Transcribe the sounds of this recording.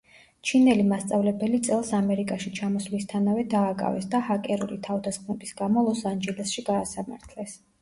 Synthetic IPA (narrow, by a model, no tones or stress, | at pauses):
t͡ʃʰinɛlimast̪sʼavlɛbɛlit̪sʼɛlˠsamɛɾikʼaʃit͡ʃʰamɔslist̪ʰanavɛd̪aːkʼa̰vɛ̰sd̪ahakʼɛɾulit̪ʰavd̪asχmut̪ʼisɡamɔlˠɔsand͡ʒɛlɛsʃiɡaːsama̰ɾt̪ʰlɛs